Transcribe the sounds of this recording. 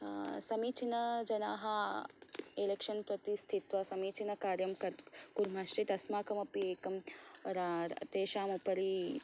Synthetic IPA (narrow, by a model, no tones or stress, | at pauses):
sɐmiːt͡ʃinɐd͡ʒɐnaːɦɐ | elekʃɐnpɾɐt̪ist̪ʰit̪ʋɐsɐmiːt͡ʃʰinɐkaːɾjɐmkɐɾkuɾm̤aʃɾit̪ɐsmaːkɐmɐpieːkɐmɾaɾɐ̰t̪eːʃaːmupɐɾi